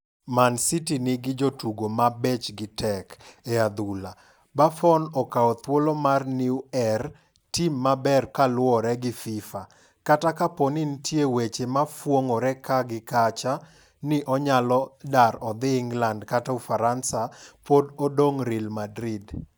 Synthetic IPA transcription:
mansitinɪɡɪd͡ʒotuɡomabɛt͡ʃɡɪtɛkead̪ula | bafɔnɔkaɔt̪wolomarniuɛr | timːabɛrkalwɔɾɛɡɪfɪfa | katakapɔnɪntʰjewet͡ʃemafwoŋɔɾɛkaɡɪkat͡ʃa | nɪʔɔɲalɔdaɾɔd̪ɪŋɡlandkataufaɾansapododoŋɾilmadɾid

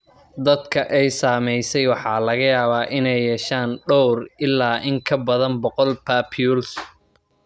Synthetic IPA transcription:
d̪ɐd̪kʰɐʔɛjsaːmɛjsɛjwɑħɑːlɐɣɐjaːβaːʔɪnɛjːɛːʃaːnɖɔwrɪlːaːʔɪŋkʰɐbɐðɐnbɔqɔlpʰaːpʰjuls

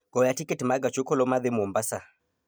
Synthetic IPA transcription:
ɡ̥ɔjatikɛtimaɡat͡ʃukɔlɔmaðɛmumbasa

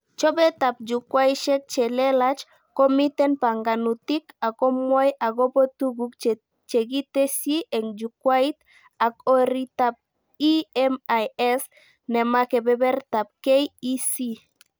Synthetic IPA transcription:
t͡ʃobet̪ap̚d͡ʒukwajʃek̚t͡ʃelelat͡ʃ | komit̪enpaŋɡanut̪ikakomajaɡopot̪uɡukt͡ʃ | t͡ʃeɡit̪esiʔeŋd͡ʒukwajt̪ | akoɾit̪ap̚ | iemajes | nemakebebeɾt̪ap̚kejisi

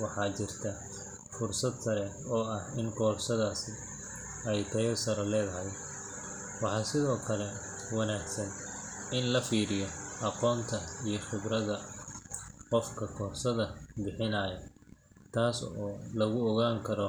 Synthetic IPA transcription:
wɑħɑːt͡ʃɪrt̪ʰɐ | fʊrsɐd̪sɐɾɛ | ɔːɐhɪŋkʰɔːrsɐðaːsɪ | ɛjt̪ʰɐɔsɐɾɐlɛːðɐɦɛj | wɑħɑːsɪðɔːkʰɐlɛ | wɑnaːɡsɐn | ɪnlɐfiːɾɪjɔʔɑqɔːnt̪ʰɐijɞχɪβrɐðɐ | qɔfkʰɐkʰɔːrsɐðɐbɪħɪnɐːjɐ | t̪ʰaːsɔːlɐɣʊɔɣaːŋkʰɐɾɔ

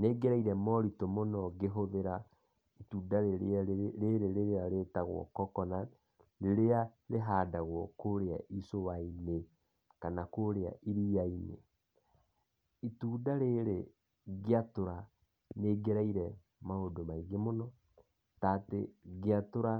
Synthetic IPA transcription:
neːɡeɾaiɾɛmɔɾitomonɔɡeɦoðeɾa | ituːdaɾeɾeɾeɾeɾeaɾetaɣwɔ̰kɔkɔna | ɾeɾeaɾeɦaːdaɣwɔkoɾea̰ʔisowaine | kanakoɾea̰ʔiɾiainḛ | ituːdaɾeɾe | ɣeatoɾa | neɡeɾaiɾɛ | maodomaiɣemonɔ | tateɣeatoɾa

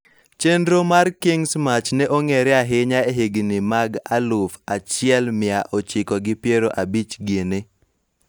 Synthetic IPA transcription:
t͡ʃendɾomarkɪŋsmat͡ʃnɛʔoŋeɾɛaɦɪɲaeɦeɡnɪmaɡa̰lʊfat͡ʃɪɛlmɪaʔot͡ʃɪkɔɡɪpjeɾoʔabit͡ʃɡene

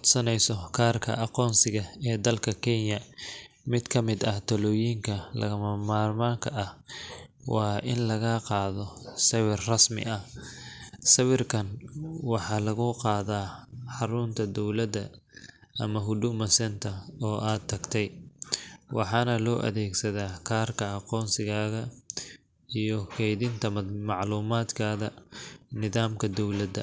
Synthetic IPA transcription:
d̪sɐnɛjsɔkʰaːrkʰɐ̰ʔɑqɔːnsɪɣɐɛːd̪ɐlkʰɐkʰɛnjɐ | mɪd̪kʰɐmɪd̪ɐht̪ʰɐlɔːjiːŋkʰɐlɐ̰ɣɐmɐmaːrmaːŋkʰɐʔɐh | wɑːʔɪnlɐɣaqɑːðɔsɐwɪrrɐsmɪ̰ʔɐ | sɐwɪrkʰɐnwɑħɑːlɐɣʊqɑːðaːħɑɾʊnt̪ʰɐd̪ɔwlɐd̪ɐ | ɐmɐɦʊd̪ʊmɐsɛnt̪ʰɐɔːʔaːd̪̚t̪ʰːɐɡt̪ʰɛj | wɑħɑːnɐlɔːʔɐ̰ðɛːɡsɐðaːkʰaːrkʰɐɑqɔːnsɪɣaːɣɐ | ijɔkʰɛjðɪnt̪ʰɐmmɑʕluːmaːd̪kʰaːðɐnɪðaːmkʰɐd̪ɔwlɐd̪ɐ̰

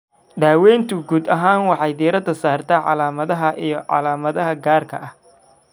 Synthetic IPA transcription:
ɖaːwɛːjnt̪ʰʊɡuːd̪ɐɦaːnwɑħɑjd̪iːɾɐd̪ɐsaːrt̪ʰɐʕɑ̰laːmɐðɐɦɐʔijɞʕɑ̰laːmɐðɐɦɐɡaːrkʰɐ̰ʔɐh

